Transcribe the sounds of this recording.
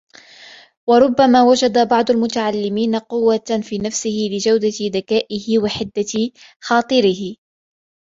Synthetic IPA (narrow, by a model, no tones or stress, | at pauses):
wɑɾˤʊbːamaːwad͡ʒad̪abɑʕd̪ˤʊlmʊt̪aʕalːɪmiːnaqʊwːafiːnafsɪhɪlɪd͡ʒawd̪ad̪akaːʔɪɦɪwaħɪd̪ːa | xɑːt̪ˤɨɾɪhɪ